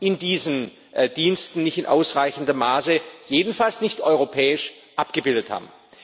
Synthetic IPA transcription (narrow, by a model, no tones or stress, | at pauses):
ʔɪndiːzən | d̥iːnstn̩nɪçtɪnʔa̰ʊsʁaɪçn̩dəmaːsəjeːdn̩falsnɪçtʔɔʏʁopʰɛːɪʃ | ʔapɡ̥əbɪldətha̰ːbm̩